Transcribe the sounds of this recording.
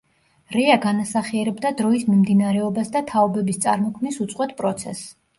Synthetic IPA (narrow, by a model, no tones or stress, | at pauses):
ɾɛaɡanasaχiɛɾɛbd̪ad̪ɾɔismimd̪inaɾɛɔbasd̪at̪ʰaɔbɛbist̪sʼa̰ɾmɔkʰmnisut̪sʼqʼwɛt̪̚pʼɾɔt̪sʰɛ̰s